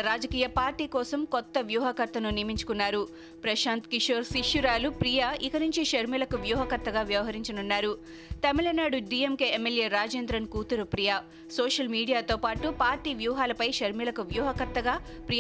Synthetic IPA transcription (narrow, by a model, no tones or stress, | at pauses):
ɾaːd͡ʒɐkiːjɐpaːɾʈiːkɔːsɐmkɔt̪ːɐʋjuːɦɐkɐɾt̪ɐnunimiɲt͡ʃu̥kunːaːɾu | pɾɐʃaːnt̪kiʂoːɾsiʃjuɾaːlupɾijaikɐnuɲt͡ʃiʃɐɾmilɐkuʋjuːɦɐkɐɾt̪ːɐɡaːʋjɐʋɐɦɐɾiɲt͡ʃɐnunːaːɾu | t̪ɐmilɐnaːɽuɖiːemke̞emːelje̞ːɾaːd͡ʒeːnd̪ɾɐnkuːt̪uɾupɾijaː | soːʃɐlmiːɽijaːt̪oːpaːʈupaːɾʈiːʋjuːɦaːlɐpɐjʃɐɾmilɐkuʋjuːɦɐkɐɾt̪ːɐɡaː | pɾi